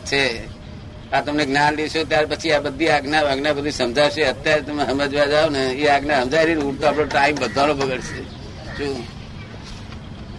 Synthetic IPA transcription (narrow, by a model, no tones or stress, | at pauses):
t͡ʃʰe | at̪əmneɡnaːnlit͡ʃʰot̪̬jaːɾepət͡ʃʰiabəd̪ʱːiaɡnaaɡnabəd̪ʱisəmd͡ʒat͡ʃeət̪jaɾet̪əmeɦəmed͡ʒoad͡ʒaonəeaɡnaɦəmd͡ʒaiɾinuɽt̪oapɽoʈaːimbəd̪ʱalobəɡəɽt͡ʃʰe | t͡ʃʰu